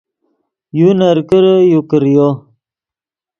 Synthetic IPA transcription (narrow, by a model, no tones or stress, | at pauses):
junaɾkəɾəjukəɾjo